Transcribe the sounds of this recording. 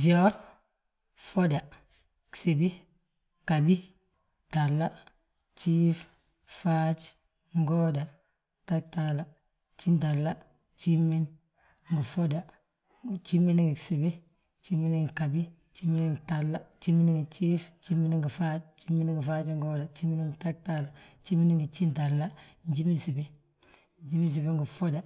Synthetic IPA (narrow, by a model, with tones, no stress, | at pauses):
d͡ʒi˨o˦ɾ | fo˦da˨ | ksi˨bi˦ | ka˨bi˦ | ta˨lːa˦ | t͡ʃi˦f | fa˦t͡ʃ | ŋɡo˦da˨ | ta˦k̚ta˦la˨ | t͡ʃi˦nta˨lːa˦ | t͡ʃi˦mːi˦n | ŋɡu˨fo˦da˨ | t͡ʃi˦mːi˦ni˦ŋɡi˨si˨bi˦ | t͡ʃi˦mːi˦ni˦ŋ˨ka˨bi˦ | t͡ʃi˦mi˦ni˦ŋ˨ta˨lːa˦t͡ʃi˦mːi˦ni˦ŋɡi˨t͡ʃi˦ft͡ʃi˦mi˦n˦ŋɡu˨fa˦t͡ʃt͡ʃi˦mːi˦nŋɡu˨fa˦t͡ʃi˦ŋɡo˦da˨t͡ʃi˦mːi˦ni˦ŋ˨ta˦k̚ta˦la˨t͡ʃi˦mːi˦ni˦ŋɡi˨t͡ʃi˦nta˨lːa˦ɲd͡ʒi˦mi˦nsi˨bi˦ | nd͡ʒi˦mi˦ns̬i˨bi˦ŋɡu˨fo˦da˨